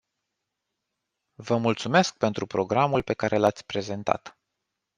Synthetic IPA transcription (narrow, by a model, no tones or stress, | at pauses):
vəmult̪sume̞sk̚pe̞nt̪ɾupɾo̞ɡɾamulpe̞kaɾʔe̞lat̪sʲpɾe̞ze̞nt̪a̰t̪